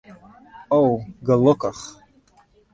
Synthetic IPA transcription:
owɡalɨkʷʰʼaχ

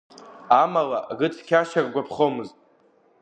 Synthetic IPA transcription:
amalaɡɨtʰkʲʰaʃarɡʷapʰχomɨztʼ

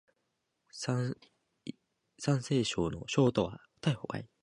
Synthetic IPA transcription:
sa | sãɰ̃se̞ːɕo̞ːno̞̰ɕo̞ːt̪o̞βḁ | t̪aiho̞ka̰i

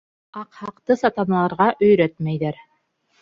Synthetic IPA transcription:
ɑqhɑqt̪ɤsɑt̪ɑnɑlˠɑɾʁɑʔɵ̆jɾæt̪mæjðæɾ

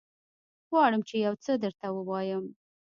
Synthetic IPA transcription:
ɣwɑɽəmt͡ʃejawt͡səd̪əɾt̪awəwɑjəm

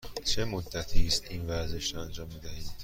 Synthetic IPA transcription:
t͡ʃʰe̞mod̪ːæt̪ʰist̪invæɾze̞ʃɾɒænd͡ʒɒːmːiːd̪æhiːm

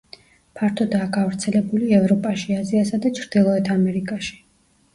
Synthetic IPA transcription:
pʰaɾt̪ʰɔd̪aːɡavɾt̪sʰɛlɛbuliɛvɾɔpʼaʃiaziasad̪at͡ʃʰɾd̪̥ilˠɔɛt̪ʰamɛɾikʼaʃi̥

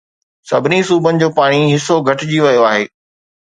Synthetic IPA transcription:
sɐbʱɪnisuːbənɪ̆d͡ʑoːpaːɽ̃iɦɪsoɡʱɐʈɪd͡ʑiʋɐjoaːɦeː

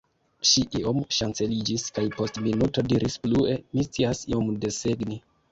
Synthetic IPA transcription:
ʃiʔio̞mʃant͡se̞lid͡ʒiskajpo̞stminuto̞diɾʔisplue̞mist͡siasḭo̞mde̞seɡni

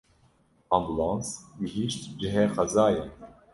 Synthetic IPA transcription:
ɑmbulɑ̃ːnswihiʃt̪d͡ʒɪɦɛːxɐzaːjɛ

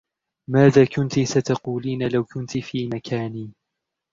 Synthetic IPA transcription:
maːðaːkʊnt̪isat̪ɑquːliːnalawkʊnt̪ifiːmakʰaːniː

